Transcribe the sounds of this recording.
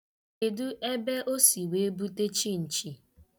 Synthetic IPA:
e˨du˦ʔe˦be˦ʔo˦si˨we˨˦e˦bu˦te˦t͡ʃi˦n̩˨t͡ʃi˨

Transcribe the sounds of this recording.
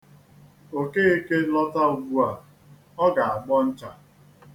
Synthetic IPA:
o˨ke˦e˦ke˦lɔ˦ta˦˨ɡu˦a˨ | ɔ˦ɡa˨a˨ɡ͡bɔ˦n̩˦t͡ʃa˨

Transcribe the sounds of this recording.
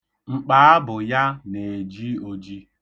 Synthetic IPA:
ŋ͡m̩˨k͡paː˨˦a˦bʊ˨ja˦ne˨d͡ʒi˦o˦d͡ʒi˦

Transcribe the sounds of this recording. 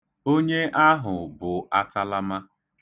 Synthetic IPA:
o˦ɲe˦ʔa˦ɦʊ˨bʊ˨a˦tʰa˦la˦ma˦

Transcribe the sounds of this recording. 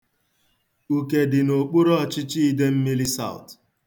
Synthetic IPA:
u˨ke˨dɪ˨no˨k͡pu˦ɾɔ˦˨t͡ʃɪ˦t͡ʃi˦i˦de˦m̩˦mi˦li˦sa̰˦˨ʊ̰˨t

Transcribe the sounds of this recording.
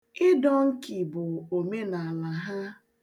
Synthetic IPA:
ɪ˦dɔ˦ŋ̩˦kɪ˨bʊ˨o˨me˦na˨a˨la˨ɦa˦

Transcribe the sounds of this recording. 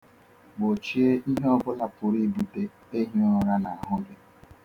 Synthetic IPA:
bo˨t͡ʃi˦e˦ʔi˦ɦe˦ɔ˦bʊ˦la˨pʊ˨ɾi˦bu˨te˦ | e˦ɦi˦ʊ˨ɾa˦na˨a˨ɦʊ˦ɡɪ˦

